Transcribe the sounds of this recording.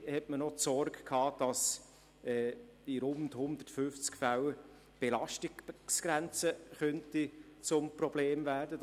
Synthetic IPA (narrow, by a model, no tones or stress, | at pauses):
hɛtmənɔtsɔɾɡkʰɑːd̥ɑs | ɛːiɾʊndhʊndətfʏft͡skfæw | b̥elɑʃtisɡ̥ɾænt͡səχœntit͡sʊmprɔbleːmvæːɾdə